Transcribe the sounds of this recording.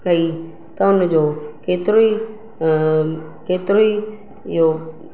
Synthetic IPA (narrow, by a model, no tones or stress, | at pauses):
kɐi | t̪ɐʊnd͡ʑoːkeːt̪ɪɾoi | keːt̪ɪɾoi | ɪjo